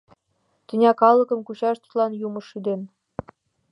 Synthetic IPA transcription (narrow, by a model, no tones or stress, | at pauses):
t̪ʲɘ̆nʲɑkɑlˠɤ̆kɤ̆mkuɕɑʃt̪u̥t̪lˠɑnjumɤ̆ʃyd̪en